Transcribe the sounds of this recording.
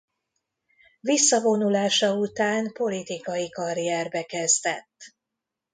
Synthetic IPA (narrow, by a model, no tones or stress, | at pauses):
visːɒvo̞nulaːʃɒut̪aːnpo̞lit̪ikɒjikɒrijɛrbɛkɛzd̪ɛt̪ː